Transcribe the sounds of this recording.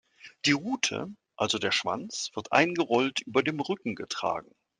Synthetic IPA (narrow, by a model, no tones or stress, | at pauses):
d̥iːʁuːtʰə̰ | ʔalzodeːɐʃv̥a̰nt͡sv̥ɪɐtʔa̰ɪnɡəʁɔltʔyːbɐdeːmʁʏkŋ̩ɡətʁ̥a̰ːɡŋ̩